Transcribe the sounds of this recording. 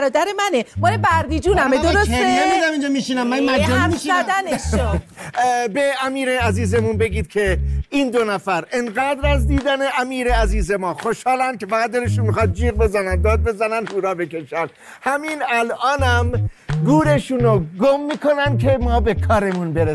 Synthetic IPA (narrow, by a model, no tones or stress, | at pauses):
ɾɒːd̪æɾemænemɒːlebæɾd̪id͡ʒuːnæd̪oɾosemid̪æmind͡ʒɒmiʃinæmːænmææmʃzæd̪æne | beæmiːɾeæziːze̞munbe̞ɡiːd̪̥̚kʰe̞iːnd̪onæfæɾʔenɢæːd̪ɾæzd̪iːd̪æneʔæmiːɾeæziːze̞mɒːxo̞ʃhɒːlænkʰe̞fæɣæt̪̚d̪eɾeʃunmixɑːt̪̚d͡ʒiːɣbe̞zænænd̪d̪ɒːd̪̚be̞zænænuːɾɒːbe̞ke̞ʃæn | hæmiːnælʔɒːnæmɡuːɾe̞ʃunoɡomːiːkʰo̞nænd̪̚kʰe̞mɒːbe̞kʰɒːɾe̞munbeɾe